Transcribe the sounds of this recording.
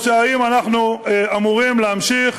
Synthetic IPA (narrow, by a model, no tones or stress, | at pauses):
ʃaaimanaχnuamuʁimleamʃiχ